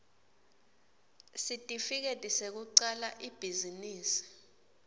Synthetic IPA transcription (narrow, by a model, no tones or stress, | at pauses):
sitʼifik̬etʼisek̬uǀalaʔib̥ʱiziniːsi̥